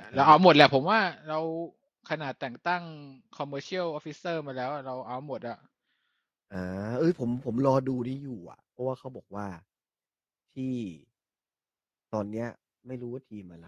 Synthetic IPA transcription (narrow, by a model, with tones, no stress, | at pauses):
lɛː˦˥wʔa˧wmo˨˩t̪̚lɛː˧˩pʰo˩˦mwaː˥˩ɾa˧w | kʰa˧naː˨˩t̪ːɛː˨˩ŋt̪a˥˩ŋkʰɔ˧mːɤː˧t͡ɕʰi˥˩ə˨wʔoː˦˥fi˦˥sɤː˥˩maː˧lɛː˦˥wʔa˨˩ɾa˧wʔa˧mo˨˩t̪̚ʔa˨˩ʔ | ʔɤː˧˩ʔɤː˧˩pʰo˩˦mpʰo˩˦mlɔː˧duː˧niː˥˩juː˨˩ʔa̰˨˩ʔpʰɔ˦˥waː˥˩kʰa˦˥wbɔː˨˩k̚waː˥˩ | t̪ʰiː˥˩ | t̪ɔː˧nːi˦˥ɐ | ma˥˩jɾuː˦waː˥˩t̪ʰiː˧mʔa˧la˨˦˩